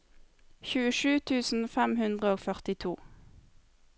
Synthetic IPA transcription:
çʉːəʃʉːt̪ʰʉːsn̩fɛmhʉnd̪ʁəoːfœʁt̪ɪt̪ʰuː

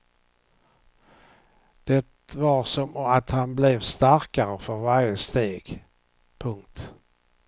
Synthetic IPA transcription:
d̪̥ɛt̪vaɾsɔmɔat̪hanblɛvst̪aɾkaɾəfœɾvaɾjəst̪eːɡ̥ | pʰɵŋkt̪

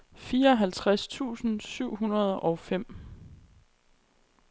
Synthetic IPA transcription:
fiːɐɒ̽ɦælt͡sʰʁast͡sʰṵːsn̩syʊ̰ɦunɐð̞ˠɒ̽ʊfem̰

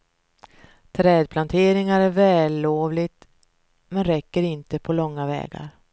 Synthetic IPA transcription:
t̪ʰɾɛːd̪̚pʰlant̪ʰeːɾɪŋaɾæɾvɛːlːoːvlɪt̪ | mɛnɾɛkːəɾɪnt̪əpʰɔlɔŋːavɛ̰ːɡa̰ɾ

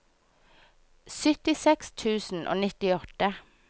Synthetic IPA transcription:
sʏt̪ɪsɛkst̪ʰʉːsn̩ʔo̰ːnɪt̪ɪɔt̪ə

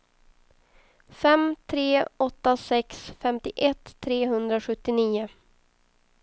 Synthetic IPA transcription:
fɛmt̪ʰɾeːɔt̪ːasɛksfɛmt̪ɪʔɛt̪ʰːɾeːɦɵnd̪ɾaɧɵt̪ːɪniːʊ

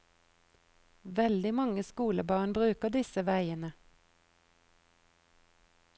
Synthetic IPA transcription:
ʋɛld̪ɪmɑŋəskuːləbɑːʁnbʁʉːkəd̪ɪsəʋæɪənə

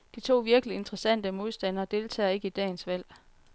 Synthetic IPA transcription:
d̥it͡sʰo̝̰ːʋiɐɡ̥əlie̝nd̥ʁɐsæn̰d̥əmo̝ð̞ˠsd̥æn̰ɐːd̥e̝ːlt͡sʰɛ̰ːe̝ɡəid̥ɛ̰ːnsʋæl̰

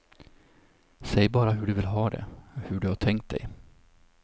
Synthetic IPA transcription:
sɛjbɑːɾaɦɵɖɵvɪlɦɑːd̪ɛ̰hɵɖɵhaʈʰɛŋkt̪̚d̪ɛ̰j

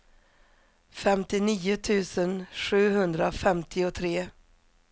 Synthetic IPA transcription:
fɛmt̪ɪniːʊt̪ʰʉ̟ːsənɧʉ̟ːɦɵnd̪ɾafɛmt̪ʰɪɔt̪ʰɾeː

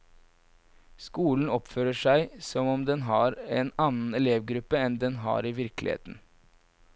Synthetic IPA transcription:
skuːln̩ɔpføːɾəʂæɪsɔmɔmd̪ɛnɦɑːɾɛnɑnn̩ɛleːʋɡɾʉpːəɛnd̪ɛnɦɑ̰ːɾiʋɪɾklɪ̰hḛːt̪n̩

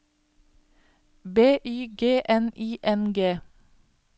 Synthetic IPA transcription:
beːʔyːɡeːʔɛniːʔɛnɡeː

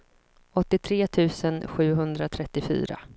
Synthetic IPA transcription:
ɔt̪ːɪt̪ʰɾeːt̪ʰʉ̟ːsənɧʉ̟ːɦɵnd̪ɾat̪ʰɾɛt̪ːɪfy̰ːɾa̰

